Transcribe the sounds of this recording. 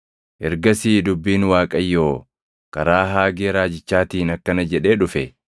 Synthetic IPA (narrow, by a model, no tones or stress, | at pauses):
ʔɛɾɡɐsiːd̪ʊbːiːnwaːkʼɐjːo̞ː | kɐɾaːɦaːɡeːɾaːd͡ʒɪt͡ʃːaːt̪iːnɐkːɐnɐd͡ʒɛᶑe̞ːᶑʊfɛ